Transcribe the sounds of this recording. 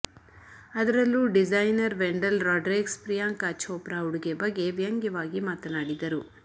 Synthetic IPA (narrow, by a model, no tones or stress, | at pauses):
ɐd̪ɐɾɐlːuɖid͡ʒajnɐɾʋeɳɖɐlɾaːɖɾekspɾijaːŋkaːt͡ʃʰoːpɾaːuɽuɡebɐɡːe̞ʋjɐŋɡɐʋaːɡimaːt̪ɐnaːɽid̪ɐɾu